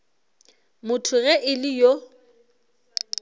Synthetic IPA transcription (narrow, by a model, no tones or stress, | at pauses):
mʊtʰʊɣɛʔɪlɪjo